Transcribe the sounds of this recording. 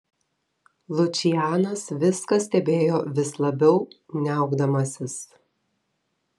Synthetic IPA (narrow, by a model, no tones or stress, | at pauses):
lˠʊt͡ʃʲɪjæːnɐsʋʲɪskɐsʲt̪ʲɛbʲeːjoːʋʲɪslˠɐbʲɛʊnʲɛɐˑʊɡd̪ɐmɐsʲɪs